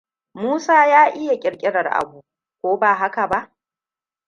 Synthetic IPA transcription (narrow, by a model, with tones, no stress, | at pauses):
muː˦saː˦jaː˦ʔɪ˦ja˨kʲʼɪ˨kʲʼɪ˦ɽɐ˨rʔa̰˨buː˦ | kʷoː˦baː˨ɦa˦ka˨ba˦ʔ